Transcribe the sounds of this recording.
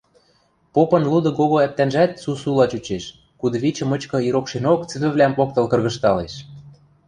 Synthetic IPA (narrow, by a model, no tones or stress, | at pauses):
popɤ̆nlud̪ɤ̆ɣoɣoæp̚t̪ænʒæt̪̚susulɑt͡ɕut͡ɕeʃ | kud̪ɤ̆βit͡ɕə̆mɤ̆t͡ɕkɤ̆iɾokʃenokt͡sɘ̆βɘ̆βlʲæmpok̚t̪ɤ̆lkɤ̆rɣɤ̆ʃt̪ɑleʃ